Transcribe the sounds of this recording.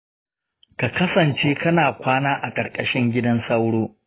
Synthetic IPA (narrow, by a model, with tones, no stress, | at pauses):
ka˨kɐ˦sɐ˨nt͡ʃeː˦kɐ˦naː˨kʷaː˦naː˦ʔa˨kʼɐ˨ɾkʼɐ˦ʃɪ˦ŋɡʲɪ˦dɐ˦nsɐ˦wɽoː˦